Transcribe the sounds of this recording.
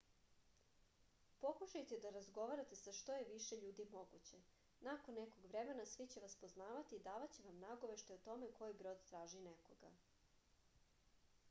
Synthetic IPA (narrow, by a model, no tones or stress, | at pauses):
po̞kuʃajt̪e̞d̪aɾazɡo̞ʋaɾat̪e̞saʃt̪o̞je̞ʋiʃeʎuːd̪imo̞ɡut͡ɕe̞ | nakonːekoɡʋɾeme̞nasʋit͡ɕeʋaspoznaːʋat̪iːd̪aːʋat͡ɕeʋamnaɡoʋe̞ʃt̪oot̪o̞me̞kʰo̞jibɾo̞d̪t̪ɾaːʒinekoɡa̰